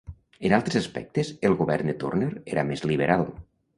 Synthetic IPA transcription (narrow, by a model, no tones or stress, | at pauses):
ənalˠt̪ɾezaspɛ̰k̚t̪ezelˠɣuβɛɾnd̪et̪ṵrneɾeɾʔamezliβ̞əɾalˠ